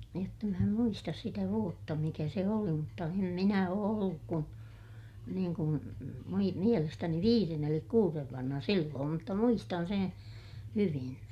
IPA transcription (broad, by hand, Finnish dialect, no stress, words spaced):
jotːɑ mæ em muistɑs sitæ ʋuotːɑ mikæ se oli mutːɑ em minæ oː olːuk kun niːŋ kun mui mielestæni ʋiːren elik kuːreʋ ʋɑnhɑ silːoːm mutːɑ muistɑn seː hyʋin